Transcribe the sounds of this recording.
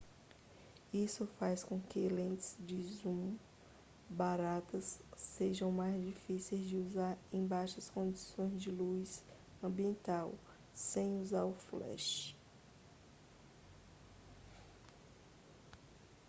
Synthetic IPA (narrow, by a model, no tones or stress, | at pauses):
isʊfajskõkɪlẽnt̪ɪzd͡ʒɪzũm | baɾat̪ɐsːeʒɐ̃w̃majzd͡ʒifisejzd͡ʒɪuzaɾẽj̃bajʃɐskõd͡ʒisõj̃zd͡ʒɪlujs | ɐ̃mbiẽnt̪aw | sẽj̃uzaɾʊflɛ̰ʃ